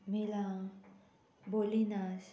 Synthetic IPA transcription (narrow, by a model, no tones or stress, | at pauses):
mila | bolinas